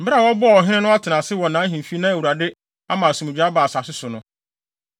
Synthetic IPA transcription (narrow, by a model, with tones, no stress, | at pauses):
m̩˨bɪ˦a˦˨wɔ˦bʊ˦ɔ˨ɔ˨ɦɪ̃˦nɪ̃˦nʊ̃˦a˦tʰɪ˨nã˨sɪ˦wɔ˨nã˨˦ɦĩ˨m˨fi˦nã˦æ˨wu˨ɾa˨dɪ˦ | a˦mãː˨sũ˨ʊ̃˨d͡ʑᶣa˦baː˨sa˨sɪ˦sʊ˨nʊ̃˦